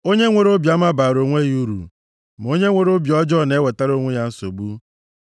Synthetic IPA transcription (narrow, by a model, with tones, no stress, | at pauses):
o˦ɲe˦ŋʷe˨ɾo˦bja˦ma˦baː˨ɾo˨ŋʷe˦ɣi˦u˦ɾṵ˨ | m˨o˦ɲe˦ŋʷe˨ɾo˦bjɔ˦d͡ʒɔ˦˨ne˦we˨ta˦ɾo˦ŋʷe˦ja˦n̩˦so̰˨bu˦